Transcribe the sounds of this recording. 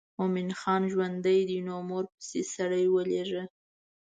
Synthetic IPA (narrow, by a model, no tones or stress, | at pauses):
momɪnxɑnʒwand̪əjd̪inomoɾpə̥sesaɽəjwəleʐə